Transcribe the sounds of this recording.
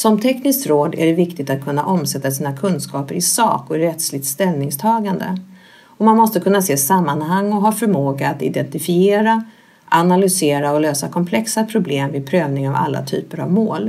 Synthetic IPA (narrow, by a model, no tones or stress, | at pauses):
sɔmt̪ʰɛknɪskt̪ɾoːd̪æ̰ɖɛvɪkt̪ɪt̪at̪̚kʰɵnːa̰ʔɔmsɛt̪ːasiːnakʰɵnskɑːpəɾɪsɑ̰ːkɔɪɾɛt̪slɪɡ̚t̪st̪ɛlnɪŋst̪ʰɑːɡand̪ə̰ | ɔmanmɔst̪əkʰɵnːaseːsamːanhaŋːɔɦɑːfœɾmoːɡaːt̪ɪ̰d̪ɛnt̪ɪfɪeːɾa | ʔanalʏseːɾaɔløːsakʰɔmpʰlɛksapʰɾʊbleːmvɪd̪̚pʰɾøːvnɪŋava̰lːa̰t̪ʰy̰ːpəɾa̰vmoːl